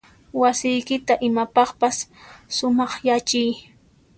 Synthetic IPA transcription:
wasɪjkɪt̪aʔɪmapɑχpasːʊmɑχjat͡ʃɪj

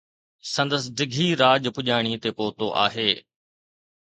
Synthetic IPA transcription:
sɐ̃nd̪əsɖ̪ɪɡʱiɾaːʄpʊʄaːɪɽ̃it̪epoːt̪oʔa̰ːɦeː

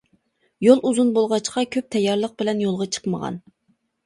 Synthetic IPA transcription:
jolˠʔuzunbolˠʁɑt͡ʃqʰɑkʲʰøp̚t̪ʰɛjːɑɾlˠəq̚bɪlɛnjolˠʁɑt͡ʃʰə̥qməʁɑ̰n

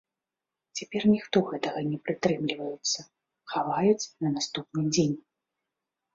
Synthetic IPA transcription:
t͡sʲapʲɛrnʲixt̪ɔɣɛt̪ɐɣɐnʲɛpɾɨt̪ɾɛmlʲivɐjɛt̪sːɐ | xavajut͡sʲnɐnast̪upnɨd͡zʲenʲ

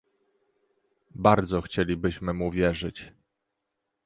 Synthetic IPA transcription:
baɾd̪zɔxt͡ɕelʲibɘɕmɘmuvʲjɛʐɘt͡ɕ

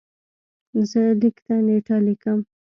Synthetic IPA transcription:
zəlikt̪aneʈɑlikəm

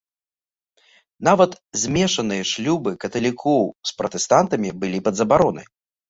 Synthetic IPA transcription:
navɐt̪ | zʲmʲɛʂɐnɨjɐʂlʲubɨkɐt̪ɐlʲikʰɔwspɾɐt̪ɛst̪ant̪ɐmʲibɨlʲipɐd̪zɐbaɾɔnɨ̰j

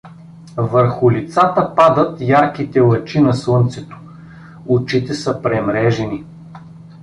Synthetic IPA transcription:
vəɾxʊlit̪sat̪əpad̪ət̪jaɾkit̪ɛlˠɐt͡ʃinɐslˠɤnt̪sɛt̪o̥ | ʊt͡ʃit̪ɛsəpɾɛmɾɛʒɛni

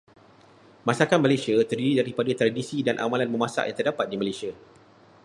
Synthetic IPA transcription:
masakamãlasiat̪ərdiɾidaɾipadat̪ɾadisidanʔa̰mãlanməmasa̰ʔjã̰ŋt̪ərdapat̪̚dimãlasia

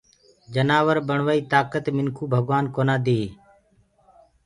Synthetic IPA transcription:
d͡ʒənaːʋəɾbəɳʋaːiːt̪aːkət̪mɪŋkʰuːbʱəɡʋaːnkoːnaːd̪eː

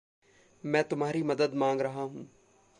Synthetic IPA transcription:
mɛ̃ːt̪ʊmɦaːɾimɐd̪əd̪mãːŋɡɾɐɦaɦũː

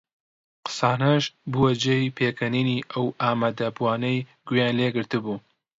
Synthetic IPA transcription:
qɨ̥saːnɐʃbuwɐd͡ʒejpʰeːkʰɐniniʔɐwʔaːmaːd̪ɐbuaːnɐjɡujaːnleːɡɨɾt̪ɨbuː

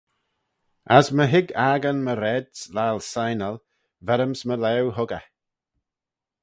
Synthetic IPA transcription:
asməɦɪɡaːɡənməɾɛdslalsajnəlˠ | vɛɾəmsməlɛwɦʊɡə̰

